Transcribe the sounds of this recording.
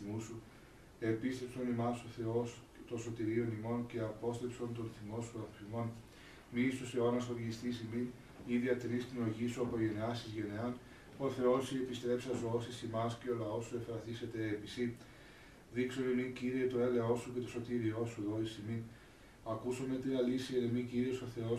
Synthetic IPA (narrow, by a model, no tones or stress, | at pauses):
musu | e̞pist̪e̞pso̞nimɐsoθeos | t̪oso̞t̪iɾio̞nimo̞nce̞ɐpo̞st̪epso̞nt̪onθimo̞suɐfimo̞n | mist̪oseonɐst̪ovʝist̪isimin | iðiɐt̪ɾist̪ino̞ʝisuɐpo̞ʝe̞neɐsizʝe̞neɐn | o̞θe̞o̞siepist̪ɾe̞psɐsoosisimɐsce̞olɐo̞suefɾɐθiset̪e̞ːbisi | ðiksonimiŋciɾiet̪o̞eleo̞suce̞t̪o̞sot̪iɾio̞suðo̞isimin | ɐkusomet̪ɾiɐlisiɐɾemiciɾioso̞θe̞o̞